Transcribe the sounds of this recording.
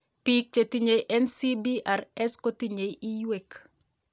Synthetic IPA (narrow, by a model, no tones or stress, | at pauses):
pik̚t͡ʃetiɲejʔɛnsibiʔaɾɛskotiɲejijwek